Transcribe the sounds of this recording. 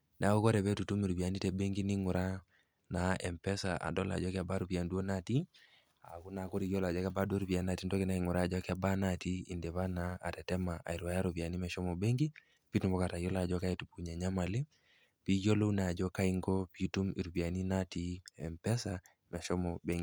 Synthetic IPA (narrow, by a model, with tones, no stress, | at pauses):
na˨˦o˦kɔ˦ɾɛ˨βɛ˦tu˨tu˦mi˨ɾu˨pi˨a˨ni˦tɛ˨bɛ˦ŋɡi˦ni˦ŋu˨ɾa˦ | na˨ɛ˨mpɛ˦sa˨ʔa̰˨dɔ˦la̰˨d͡ʒɔ˦kɪ˦a˨ba˦ɾu˨pja˨ndu˦o˦na˦ti˦ | a˨ku˦na˨ko˦ɾi˦jɔ˦la˨d͡ʒɔ˦ka˦ba˦du˦o˦ɾu˨pi˨a˨na˦˨ti˦ndɔ˦ki˦na˦i˨ŋu˨ɾa˦˨d͡ʒɔ˦ki˦a˦ba˦na˦˨ti˦i˨ndɛ˨βa˦na˨˦a̰˨tɛ˨tɛ˦ma˨ʔa̰˨i˨ɾwa˨˦ja˦ɾu˨pi˨a˨ni˦mɛ˨ʃɔ˦mɔ˨be˦ŋɡi˦ | pi˦tu˨mbɔ˦ka˨ta˨jɔ˦la˨d͡ʒɔ˦ka˦ɛ˦tu˨pu˦ɲɛ˨ɲa˦ma˨li˦ | pi˦jo˦lo˦u˦na˨d͡ʒɔ˦ka˦i˦ŋɡɔ˦pi˦tu˦mi˨ɾu˨pi˨a˨ni˦na˦ti˦ɛ˨mpɛ˦sa˨ | mɛ˨ʃɔ˦mɔ˨be˦ŋɡi˨